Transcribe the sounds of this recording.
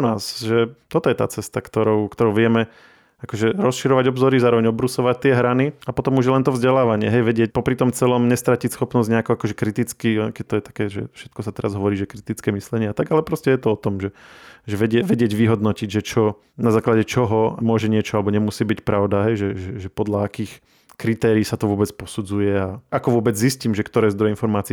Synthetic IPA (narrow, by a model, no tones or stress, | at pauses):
unaːsʒɛt̪ɔt̪ɔjɛt̪a̰ːt͡sɛst̪akt̪ɔɾɔʊkt̪ɔɾɔʊʋɪɛmɛ | akɔʒɛɾɔsʃiɾɔʋaɟɔbzɔɾizaːɾɔʋɛɲɔbɾusɔʋac̚t̪ɪɛɦɾaniapɔt̪ɔmuʒjɛlɛnt̪ɔvzɟɛlaːʋaɲɪɛɦɛjʋɛɟɪɛc̚pɔpɾit̪ɔmt͡sɛlɔmɲɛst̪ɾacicsxɔpnɔzɟɲɛakuakɔʒɛkɾit̪it͡skikɛt̪ɔjɛt̪ḁkɛːʒɛ̰fʃɛ̥t̪̚kɔsat̪ɛɾazɦɔʋɔɾiːʒɛkɾit̪it͡skɛːmislɛɲɪɛat̪aɡalɛpɾɔscɛjɛt̪ɔɔt̪ɔmʒɛʒɛʋɛɟɛʋɛɟɪɛɟʋiɦɔd̪nɔciɟʒɛt͡ʃɔ | nazaːklaɟɛt͡ʃɔɦɔmʊɔʒɛɲɪɛt͡ʃɔalɛbɔɲɛmusiːbicpɾaʊd̪aɦɛjʒɛʒɛʒɛpɔd̪laakiːx | kɾit̪ɛːɾiːsat̪ɔʋʊɔbɛt͡spɔsud͡zujɛaakɔʋʊɔbɛd͡zzisciːmʒɛkt̪ɔɾɛːzd̪ɾɔjɛinfɔɾmaːt͡si